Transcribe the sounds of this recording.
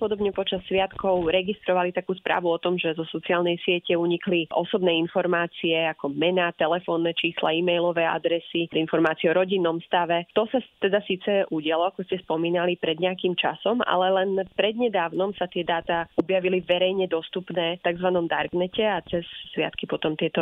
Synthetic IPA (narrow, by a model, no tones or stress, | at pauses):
pɔd̪ɔbɲɛpɔt͡ʃasːʋɪat̪kɔʊɾɛɡist̪ɾɔʋalit̪akuːspɾa̰ːʋuɔt̪ɔmʒɛzɔsɔt͡siaːlnɛjsɪɛcɛuɲikliʔɔ̰sɔbnɛːinfɔɾmaːt͡siɛakɔmɛnat̪ɛlɛfɔːnːɛt͡ʃiːsla̰iːmɛjlɔʋɛa̰d̪ɾɛsiinfɔɾmaːt͡siɛɔɾɔɟinːɔmst̪aʋɛt̪ɔsat̪ɛd̪asiːt͡sɛʔuɟɪalɔakɔscɛspɔmiːnalipɾɛd̪ɲɛakiːmt͡ʃa̰sɔma̰lɛlɛnpɾɛd̪ɲɛd̪aːʊnɔmsat̪ɪɛd̪aːt̪aɔbjaʋiliʋɛɾɛjɲɛd̪ɔst̪upnɛːt̪aɡzʋanɔmd̪a̰ɾɡnɛcɛat͡sɛsːʋɪa̰t̪kipɔt̪ɔmt̪ɪɛt̪ɔ